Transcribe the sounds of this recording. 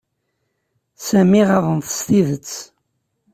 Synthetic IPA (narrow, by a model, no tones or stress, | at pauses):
sæmiʁɑvənθə̥st̪iðət͡sː